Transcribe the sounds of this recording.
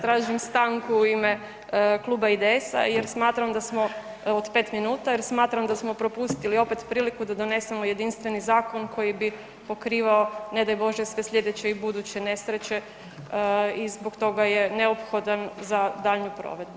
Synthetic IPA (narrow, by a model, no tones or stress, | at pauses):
t̪ɾaːʒimst̪aŋkuuime̞ | klˠuːbaid̪eesa̰jeɾsmaːt̪ɾamd̪asmo̞ | od̪pe̞t̪minuːt̪ajeɾsmaːt̪ɾamd̪asmo̞pɾo̞pust̪ilio̞pe̞t̪pɾiːlikud̪ad̪o̞ne̞semo̞je̞d̪inst̪ʋenizaːko̞nkʰo̞jibi | po̞kɾiːʋaone̞d̪ajbo̞ʒjesʋe̞slʎʲe̞d̪et͡ɕe̞ibud̪uːt͡ɕe̞ne̞sɾet͡ɕe̞ | izbokt̪o̞ɡaje̞ne̞opxo̞d̪anzad̪aːʎɲupɾo̰ʋe̞d̪bu